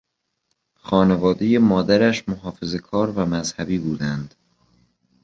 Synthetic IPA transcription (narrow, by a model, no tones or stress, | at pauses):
xɒːne̞vɒːd̪e̞jemɒːd̪æɾæʃmoɦɒːfe̞ze̞kʰɒːɾvæmæzhæbiːbuːd̪ænd̪̥